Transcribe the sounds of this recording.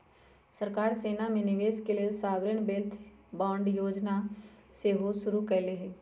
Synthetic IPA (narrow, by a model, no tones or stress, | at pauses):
səɾkaːɾseːnamẽnɪʋeːskeliesaːʋɾɪɳ̃beːlt̪ʰbãːɳɖjoːd͡ʒna | seɦoːʃʊɾukɐleɦɛː